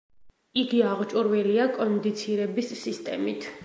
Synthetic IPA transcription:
iɡiaʁt͡ʃʼuɾwɛliakʼɔnd̪it̪sʰiɾɛbisːist̪ʼɛ̰mit̪ʰ

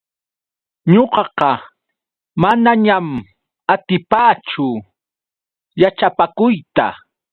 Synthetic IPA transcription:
ɲoqɑqɑ | manaɲam | at̪ɪpaːt͡ʃʊ | jat͡ʃapakʊjt̪a̰

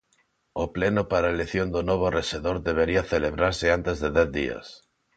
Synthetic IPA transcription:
oplenʊpaɾaeleθjond̪onoβ̞oreseðoɾðeβ̞eɾiaθeleβɾaɾseant̪ezðeðɛθðḭa̰s

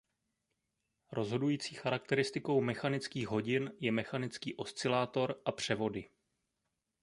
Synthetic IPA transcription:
ɾo̞zɦo̞dujiːt͡siːxaɾak̚t̪ɛɾɪst̪ɪko̞wmɛxanɪt͡skiːɣɦo̞ɟɪnjɛmɛxanɪt͡skiːʔo̞st͡sɪlaːt̪o̞ɾʔapr̝̥ɛvo̞dɪ

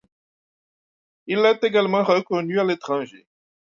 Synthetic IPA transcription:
ilɛt̪eɡalmɑ̃ʁəkɔnyalet̪χɑ̃ʒḛ

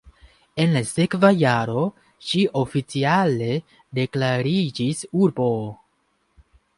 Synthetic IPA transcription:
e̞nlase̞kvajaɾo̞ | ʃiʔo̞fit͡siale̞ | de̞klaɾid͡ʒisuɾbo̞

